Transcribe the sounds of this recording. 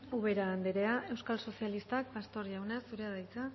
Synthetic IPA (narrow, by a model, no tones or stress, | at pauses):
uβ̞e̞ɾaːnd̪eɾe̞aʔe̞wskalso̞sialist̪akbast̪o̞ɾʝawnesːuɾeaðajt͡sa